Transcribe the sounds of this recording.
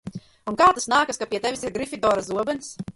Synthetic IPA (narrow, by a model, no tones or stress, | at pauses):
unkaːt̪asnaːkaskapʲiɛt̪ɛvʲisiɾɡɾifʲid̪ɔːɾazuɔbɛns